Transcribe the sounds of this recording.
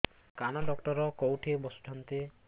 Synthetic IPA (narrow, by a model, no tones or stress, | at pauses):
kanɔɖɔkʈɔɾɔkowʈʰebɔsʈʰɔnt̪e